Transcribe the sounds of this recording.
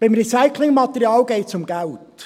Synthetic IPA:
b̥ɪmɾisaɪkʰlɪŋmɑt̪ɛɾiɑːlɡɛɪtsʊmɡælt

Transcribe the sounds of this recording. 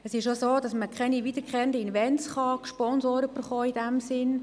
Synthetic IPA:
ɛsɪʃʃosoːd̥ɑsməkʰɛniʋiːd̥əɾkχɛndəinʋɛnsχɑʃpɔnsoːɾəfəɾχɔːidɛmsɪn

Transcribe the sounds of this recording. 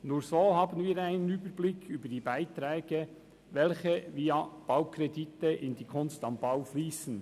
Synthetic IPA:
nuːɾsoːhɑːbənviːɾaɪnənyːbəɾblɪkʰːyːbədiːbaɪt̪ɾɛːɡ̥ə | vɛlçəviːɑb̥ɑʊkʰɾɛditəʔɪnd̥̪iːkʰʊnstɑmbɑʊfliːsən̩

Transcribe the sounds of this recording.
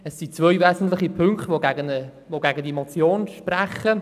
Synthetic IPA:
ɛsːit͡sʋœjvɛːzn̩tlɪχipʰʏŋktvoɡɛɡənə | voɡæɡədimot͡sjoːnʃprɛχə

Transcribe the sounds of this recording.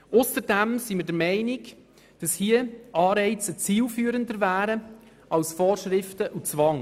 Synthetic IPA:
ʊsəɾdɛmsiməɾdəɾmɛɪnɪɡ | d̥ɑshiəɑːɾɛɪt͡sət͡siːlfyːəɾəndəɾvæːɾə | ʔɑlsfɔːrʃɾɪftəʔut͡svɑŋ

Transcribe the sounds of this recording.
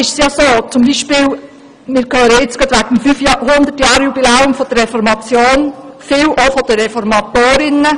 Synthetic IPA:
ɪʃsjɑsoːt͡sʊmbiːʃpɪːl | mɪːɾkœːɾəɪt͡sɡ̥ɑt̪ʋæɡ̥əmfyfjhʊnd̪ətjɑːɾjubilɛːʊmfɔd̥ərːɛfɔɾmɑt͡sjoːnfɪwʔofɔd̥̪əːɛfɔɾmɑt̪oːɾɪnə

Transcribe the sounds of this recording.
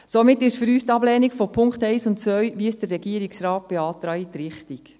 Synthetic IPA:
somɪtːɪʃfʏɾyːst̪ɑblɛːnikfopʰʊŋktɛɪsʊntt͡sʋœɥʋiəsd̥ərːɛɡiəɾiksɾɑːt̚b̥eɑːt̪ɾɑitɾɪχtik

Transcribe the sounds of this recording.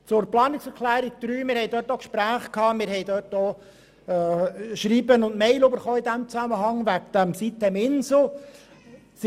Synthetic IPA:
t͡sʊɾplɑːnɪksɛɾklæːɾik̚d̪̥ɾyːmɪːɾhɛɪd̪øːtːɔkʃpɾæːχkʰɑːmɪɾhɛɪd̪øtɔ | ʃɾiːbənʊndmɛɪløbəɾχoːid̪æmt͡sæməɦɑŋʋækd̥̪æmsit̪ɛmɪnsl̩ | s

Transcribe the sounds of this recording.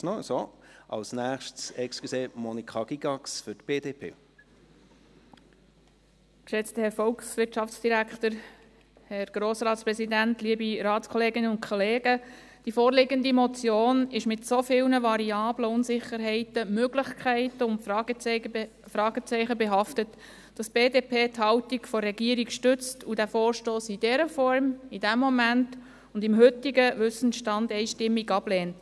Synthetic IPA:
nosoʔɑ̰lsnæːχʃtsɛkskseːmɔnikχɑɡ̥iɡɑksfʏtb̥eːdeːpʰḛː | kʃɛt͡stəhɛɾfɔlksʋɪrtʃɑft͡sd̥iɾæktəɾ | hɛɾɡ̥ɾoːsɾɑːtspɾɛsidæntliəbiɾɑːtskʰɔleːɡɪnəʊntkʰɔleːɡ̥ə | d̥ifoːɾlɪɡəndimɔt͡sjoːnɪʃmɪtsofɪlnəvɑɾiɑːbləʊnsɪχəɾɦɛɪtəmøɡlɪχkʰæɪtəʊntf | fɾɑːɡ̥ət͡sɛɪχəbɛɦɑftət | d̥ɑsb̥eːdeːpʰeːthɑltiɡfɔrːɛɡiəɾikʃtʏt͡studæfoːɾʃtoːsid̥ɛɾəfɔɾmid̥ɛmːɔmænt | ʊndɪmɦʏtiɡəʋʏsn̩ʃtɑndɛɪʃtɪmːiɡɑb̥lɛːnt

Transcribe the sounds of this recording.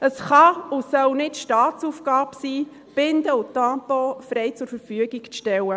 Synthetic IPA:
əsχɑʊsœwnɪtʃtɑːt̪sufɡ̥ɑːbsiː | b̥ɪnd̪əʊtɑpofɾɛjt͡sʊɾfəɾfyəɡiɡʃtɛwə

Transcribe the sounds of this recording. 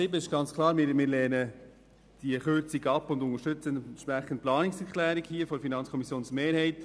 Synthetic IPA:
sɪbəɪʃɡ̥ɑnt͡skʰlɑːɾmɪɾmɪːɾlɛːnə | d̥iəχʏɾt͡siɡɑpːʊndʊŋəʃtʏt͡sənʃpɾæχən̩t̚plɑːnɪksɛɾklæːɾiɡhiːəfɔfinɑnt͡skʰɔmisjoːnsmeːɾhɛɪt

